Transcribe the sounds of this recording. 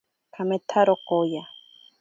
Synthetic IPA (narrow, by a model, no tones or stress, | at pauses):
kʰamet̪ʰaɾokoja